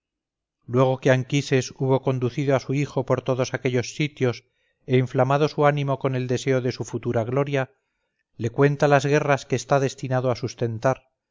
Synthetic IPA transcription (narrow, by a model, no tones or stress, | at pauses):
lwe̞ɣ̞o̞keaŋkise̞suβ̞o̞ko̞nd̪uθiðoasuixo̞po̞ɾt̪o̞ðo̞sake̞ʎo̞sːit̪jo̞s | eiɱflamaðo̞suanĩmo̞ko̞ne̞ld̪e̞se̞o̞ðe̞sufut̪uɾaɣ̞lo̞ɾja | le̞kwe̞nt̪alazɣe̞raskeːst̪aðe̞st̪inaðoasust̪e̞nt̪aɾ